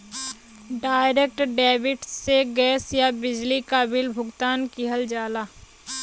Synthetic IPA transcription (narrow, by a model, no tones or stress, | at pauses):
ɖaːɪɾeːk̚ʈɖɛːbɪʈsseɡɛːsjabɪd͡ʒlikabɪlbʱʊɡt̪aːnkɪɦəld͡ʒaːlaː